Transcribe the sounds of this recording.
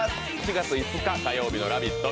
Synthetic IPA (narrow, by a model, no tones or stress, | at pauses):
it͡ɕiɡat͡sɨit͡sɨkat̪ajo̞ːbʲino̞ɾabʲit̪ːo